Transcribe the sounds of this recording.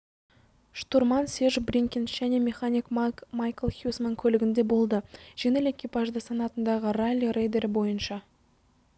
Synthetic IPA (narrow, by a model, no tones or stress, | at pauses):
ʃt̪uɾmɑnseʒbrʲiŋkʲɪnʒ̥æne̞mʲe̞χanʲikmmajkəlˠxjusmaŋkʲʰɵlɪɡʲɪnd̪e̞bo̞lˠd̪əʒ̥enele̞kʲːipɑʒd̪əsɑnɑt̪ənd̪ɑʁəralʲːirejd̪e̞ɾbo̞jənʃɑ